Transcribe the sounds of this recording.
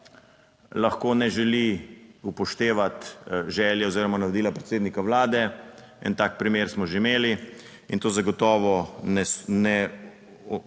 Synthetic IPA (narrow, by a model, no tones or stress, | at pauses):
laxkoːnɛʒɛliupɔʃt̪eːʋat̪ʒɛːljɛɔziːɾɔmanaʋɔd̪iːlapɾɛt̪seːd̪nikaʋlaːd̪ɛɛ̰nt̪aːk̚pɾimeːɾsmɔʒeimeːli | int̪oːzaɡɔt̪ɔːʋɔɛnɛ